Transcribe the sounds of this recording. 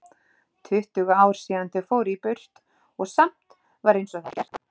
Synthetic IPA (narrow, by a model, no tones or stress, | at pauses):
t̪ʰʏht̪ʏɣaaːwɾ̥siːant̪ɪfowɾipʏr̥t̪ | ɔɣsam̥t̪ | vaɾejnsɔθat̪a